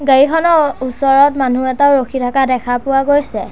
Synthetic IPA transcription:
ɡəɹikʰɔnɔusɔɹɔtmanuɛtaʊɹokʰitʰakadɛkʰapʊwaɡojsɛ

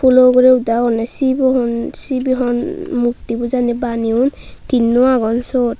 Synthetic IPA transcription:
pʰuloɡɔɾeud̪aɔnesibɔɦɔnsibiɦɔnmukt̪ibuzanibaniun | t̪inːuaɡɔnsot

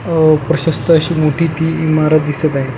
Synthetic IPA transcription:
pɾɐɕɐst̪əːɕiːmoʈʰiːt̪iːimaɾat̪d̪isət̪aɦĩ

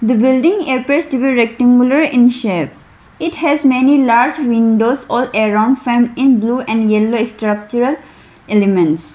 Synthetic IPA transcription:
d̪əbɪlɖɪ̃ŋepɾesʈubiɾɛk̚ʈãŋɡuləɾɪ̃nʃep | ɪʈhɛzmenilaːɾd͡ʒʋĩnɖozɔːleɾãʊ̃ɳɖfẽmɪ̃nbluːʔɛ̃nɖjɛloeksʈɾak̚t͡ʃuɾəl | ʔelemẽnʈs

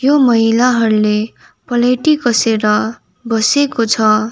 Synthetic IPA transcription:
jomʌɦilaɦʌɾule | pʌleʈikʌseɾʌ | bʌsekot͡sʰʌ

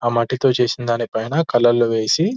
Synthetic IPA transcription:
aːmɐʈːit̪o̞ːt͡ʃe̞ːsind̪aːnipɐjnɐkɐlːɐlːoʋe̞ːsi

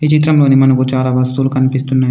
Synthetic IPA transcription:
it͡ʃit̪̬ɾɐmlo̞ːnimɐnɐkut͡ʃaːlaːʋɐst̪ulukɐnipist̪unːaː

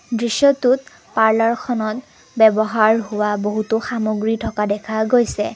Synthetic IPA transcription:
dɹisjɔtut̚ | paɹlaɹkʰɔnɔt | bɛbɔɦaɹɦʊwaboɦutʊxamoɡɹitʰɔkadɛkʰaɡojsɛ

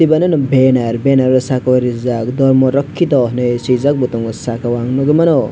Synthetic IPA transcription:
tibanɯnɔbenaɾbenaɾɔsakawaɾizak̚d̪ɔɾmɔɾɔkʰːid̪ɔhnɯjsizak̚but̪ɔŋɔsakawaŋnɔɡɯmanɔ

